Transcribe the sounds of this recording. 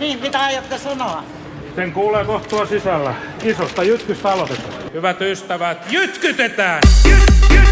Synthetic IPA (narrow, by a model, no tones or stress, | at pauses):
niːmpit̪æɑjot̪ːesɑnoɑ | seŋkuːleːkoht̪t̪uɑsisælːæ | isost̪ɑjyt̪kyst̪æɑlot̪et̪ɑhyʋæt̪yst̪æʋæt̪jyt̪kyt̪et̪æː